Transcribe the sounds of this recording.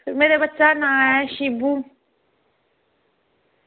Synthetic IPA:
meːɾebətːʃanãːɛʃibu

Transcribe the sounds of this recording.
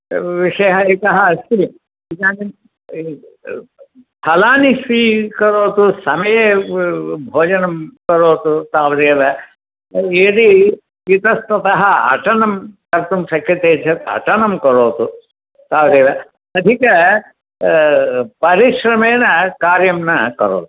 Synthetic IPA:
ʋiʂɐjɦɐik̪ɐɦɐɐst̪i | ikaːni | pʰɐlaːnisiːkɐɾoːt̪usɐmɐjeː | bʱoːd͡ʒɐnɐmkɐɾoːt̪ut̪aːʋɐd̪eːʋɐ | eːd̪i | it̪ɐst̪ɐt̪ɐɦɐɐ̰ʈɐnɐmkɐɾt̪umsɐkjɐt̪eːd͡ʒʰɐt̪ɐ̰ʈɐnɐmkɐɾoːt̪u | t̪aːʋd̪eːʋɐ | ɐd̪ʱikɐ | pɐɾiʃɾɐmeːnɐkaːɾjɐmnɐkɐ̰ɾo̰ːt̪u̥

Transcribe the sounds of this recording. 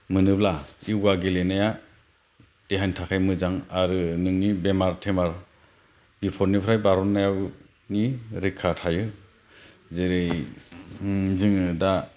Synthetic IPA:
mɯnɯblaiwɡaɡelenaja | d̥eɦantʰakʰajmɯzaŋaɾɯnɯŋnibemaɾtʰemaɾ | b̥ipʰɔɾnipʰɾajbaɾɔnːajaw | niɾikʰːatʰajɯ | zeɾɯj | zɯŋɯda

